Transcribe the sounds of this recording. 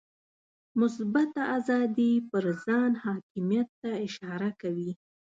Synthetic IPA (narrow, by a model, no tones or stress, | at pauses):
mʊsbat̪aazɑd̪ipəɾzɑnhɑkɪmijat̪ːaɪʃɑɾakawi